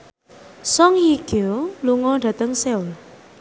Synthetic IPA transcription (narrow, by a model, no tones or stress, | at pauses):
sɔŋjiɡ̥oluŋɔɖ̥ä̤t̪əŋseʊl